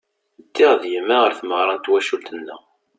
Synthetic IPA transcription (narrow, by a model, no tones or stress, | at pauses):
d̪ːiʁðjəmːæʁəɾθməʁɾˤɑnt̪wæʃult̪ənːæ̰